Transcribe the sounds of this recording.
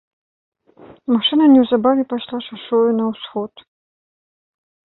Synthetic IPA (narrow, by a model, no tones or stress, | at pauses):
maʂɨnɐnʲɛwzabavʲɛpaʃlˠaʂaʂɔɨnɐwsxɔt̪